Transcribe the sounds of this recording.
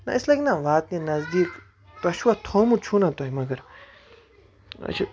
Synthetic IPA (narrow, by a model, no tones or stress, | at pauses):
na̰ʔislakʲnaʋaːt̪̚nĩnɐzd̪iːk | t̪ɐʃuwat̪ʰoːmut͡ʃʰunat̪ojmɐɡɐɾ | ɐ̰t͡ʃʰi